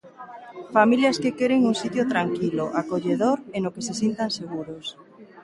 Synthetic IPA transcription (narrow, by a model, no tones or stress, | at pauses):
familjɐskekeɾeŋuŋsit̪jot̪ɾaŋkiloʔakoʎeðoɾenokesesint̪aŋseɣuɾos